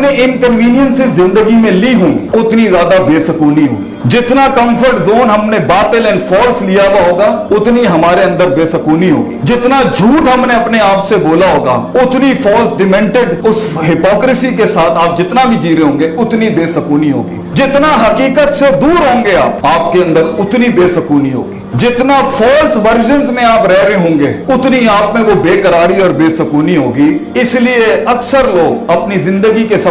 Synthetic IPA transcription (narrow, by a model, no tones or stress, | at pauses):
neʔɪnkənʋiːnijənsɪzːɪ̃nd̪əɡimẽliɦõːŋɡiʊt̪nizjaːd̪abeːsəkuːniɦo̰ːɡid͡ʒɪt̪nakə̃mpʰəɾʈzoːnɦɐmnẽbaːt̪əlɛ̃nfʰɔːɾslijabaɦoːɡaːʊt̪niɦɐmaːɾeə̃nd̪əɾbeːsəkuːniɦo̰ːɡḭːd͡ʒɪt̪nad͡ʒʱuːʈɦəmneɐpneaːpseboːlaɦoːɡa̰ːʊt̪nifʰɔːɾsɖɪmɛ̃ɳʈɪɖʊs | ɦɪpɔːkɾɪsikesaːt̪ʰaːp̚d͡ʒɪt̪nabʱid͡ʒiːɾeɦõːŋɡeʊt̪nibeːsɐkuːniɦo̰ːɡḭːd͡ʒɪt̪naɦɐkiːkət̪sed̪uːɾɦõːŋɡeaːpaːp̚keɐ̃nd̪əɾʊt̪nibeːsɐkuːniɦo̰ːɡid͡ʒɪt̪nafʰɔːɾsʋəɾd͡ʒə̃nsmẽaːpɾɛɦɾeɦõːŋɡeːʊt̪niaːp̚mẽʋobeːkəɾaːɾiɔːɾbeːsɐkuːniɦoːɡiɪslieɐksəɾloːɡɐpnizɪ̃nd̪əɡikes